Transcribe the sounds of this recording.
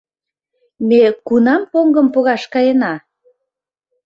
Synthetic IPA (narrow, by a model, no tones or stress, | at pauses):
mekunɑmpoŋɡə̆mpoɣɑʃkɑjenɑ